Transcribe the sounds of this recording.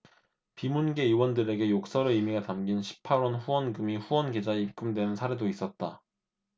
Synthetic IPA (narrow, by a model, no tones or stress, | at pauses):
pimunɡe̞iwʌndɯɾe̞ɡe̞jok̚s͈ʌɾɯimiɡatamɡinɕʰi̥pʰaɾwʌnɸuwʌnɡɯmiɸuwʌnɡed͡ʑaeip̚k͈ɯmdwe̞nɯnsʰaɾe̞dois͈ʌt̚t͈a